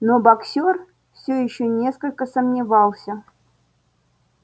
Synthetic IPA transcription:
nobaksʲor | fsʲɵjɪɕːonʲeskəlʲkəsəmnʲɪvɑlˠsʲə

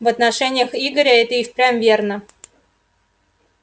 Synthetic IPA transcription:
vɐt̪nɐʂɛnʲɪjəxiɡəɾʲəɛt̪əixpɾʲamvʲernə

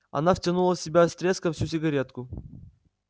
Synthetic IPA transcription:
ɐ̰naftʲɐnulˠəfsʲɪbʲast̪ɾʲeskəfsʲusʲɪɡɐɾʲet̪kʊ

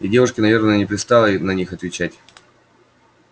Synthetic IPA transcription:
ɪdʲe̞vʊʂkʲɪnɐvʲe̞rnəjənʲɪpɾʲɪst̪ɑlˠənɐnʲixɐt̪vʲɪt͡ɕætʲ

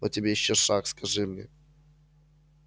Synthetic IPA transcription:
otʲɪbʲejɪɕːoʂakskɐʐɨmnʲḛ

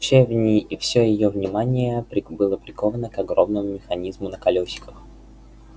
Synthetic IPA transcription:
t͡ɕʲevnʲɪʔifsʲojɪjovnʲɪmanʲɪjəpɾʲɪbɨlˠəplʲɪkovənəkɐɡɾo̞mnəmʊmʲɪxɐnʲizmʊnəkɐlʲosʲɪ̥kəx

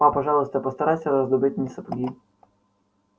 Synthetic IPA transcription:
ɑpɐʒɑlˠʊst̪ɛpɔst̪ɐɾɑsʲɐɾɔzd̪ɔbɪt̪ʲnʲisɐpɔɡʲi

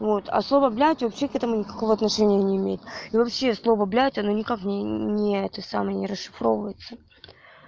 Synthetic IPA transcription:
vo̞t̪ɐ̰slˠo̞vəblʲætʲvɐpɕːekɛt̪əmʊnʲɪkɐ̥ko̞vəɐt̪nɐʂɛnʲɪjənʲɪɪmʲejɪt̪ivɐpɕːeslˠo̞vəblʲætʲɐno̞nʲɪkaknʲɪnʲɪɛt̪əsa̰məjənʲɪɾəsʂɨ̥fɾo̞vəjɪt̪sə

